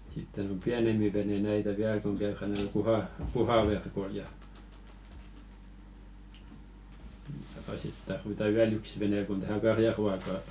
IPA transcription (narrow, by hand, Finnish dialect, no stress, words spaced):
sitːen om piænempi ʋene næitæ ʋiæl koŋ kæyræn t̆ŭɑ̆l̆ kuhɑ kuhɑʋerkoĭl jɑ jɑɑ sit tɑrʋitɑ wiæl yks ʋene kun tæhæ kɑrjɑruɑkɑ